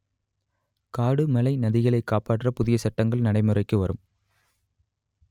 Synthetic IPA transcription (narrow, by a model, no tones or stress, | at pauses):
kaːɽɯmɐlɐɪnɐðɪɣɐɭɐɪkːaːpaːʈːrɐpʊðɪjɐsɐʈːɐŋɡɐɭnɐɽɐɪmɯrɐɪkːɯʋɐɾɯm